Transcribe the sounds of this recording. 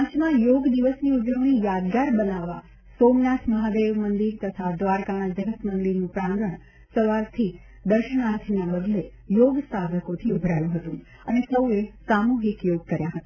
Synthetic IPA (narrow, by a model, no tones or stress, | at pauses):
ãt͡ʃmãjoɡd̪iʋəsniud͡ʒəʋɳ̃ijad̪ɡaɾbənaʋa | somnat̪ʰməɦad̪eʋmənd̪iɾt̪ət̪ʰad̪ʋaɾkanãd͡ʒəɦəsmənd̪iɾnũpɾãŋɡɾəɳ̃ | səʋaɾt̪ʰi | d̪əɾʃəɳ̃aɾt̪ʰinabəd̪le | joɡsad̪ʱəkot̪ʰiubʱɾajũɦət̪ũ | ənesəuesamuɦikjoɡ̚kəɾjãɦət̪a